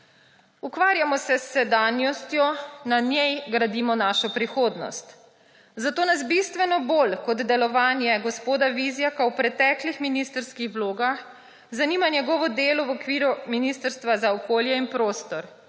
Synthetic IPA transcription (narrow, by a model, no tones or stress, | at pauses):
ukʋaːɾjamɔsɛsːɛd̪aːnjɔst̪jɔnanjɛjɡɾad̪iːmɔnaʃɔpɾixoːd̪nɔ̰st̪ | zat̪oːnazbist̪ʋɛnɔboːlkɔd̪d̪ɛlɔʋaːnjɛɡɔspoːd̪aʋizjakawpɾɛt̪ɛklixminist̪əɾskixʋloːɡax | zaniːmanjɛɡɔʋɔd̪eːlɔwɔkʋiːɾuminist̪əɾst̪ʋazaɔkoːljɛinpɾoːst̪ɔɾ